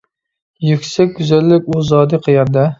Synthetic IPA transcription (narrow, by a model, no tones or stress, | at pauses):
jykʲsɛk̚ʲɡʲyzælːɪkʲuzɑːd̪ɨqʰɨjɑɾd̪ɨ